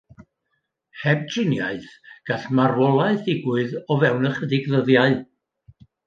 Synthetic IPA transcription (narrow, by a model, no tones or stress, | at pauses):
hɛb̚d͡ʒɪnja̰ɨθɡ̥aɬmarwɔlˠaɨθɪɡwɨðɔvɛwnəχədɪɡðəðjaɨ